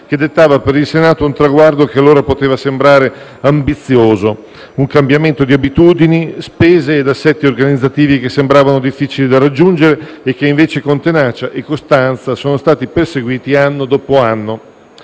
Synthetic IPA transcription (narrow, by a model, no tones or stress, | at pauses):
k̟ed̪et̪ːaːvapeɾilsenaːt̪ount̪ɾaɡward̪okealːoːɾapot̪eːvasembɾaːɾe | ambit̪sːjoːzo | uŋkambjament̪od̪iabit̪uːd̪inispeːzeːd̪asːɛt̪ːiorɡanid̪zːat̪iːvikesːembɾaːvanod̪ifːiːt͡ʃilid̪arad͡ʒːund͡ʒeɾeːk̟ːeiɱveːt͡ʃekont̪enaːt͡ʃaʔekːost̪ant̪sasoːnost̪aːt̪iperseɡwiːt̪ianːod̪ɔːpoanːo